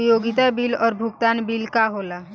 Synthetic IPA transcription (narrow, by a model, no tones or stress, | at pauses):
joːɡɪt̪abilɔːɾbʱʊɡt̪aːnbilkaɦoːla